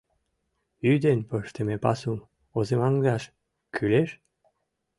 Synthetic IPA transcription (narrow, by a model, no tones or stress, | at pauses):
yd̪enpəʃt̪emepɑ̰sum | ozemɑŋɡɑʃ | kʰyleʃ